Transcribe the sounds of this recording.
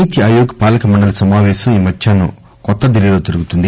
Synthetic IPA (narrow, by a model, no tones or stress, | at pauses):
iːt̪iaːjoːɡpaːlɐkɐmɐɳɖɐlɐsɐmaːʋɛːʃɐmiːmɐtʰʃaːnṵ | kɔt̪ːɐd̪iɾɐloːt̪iɾuɡut̪und̪i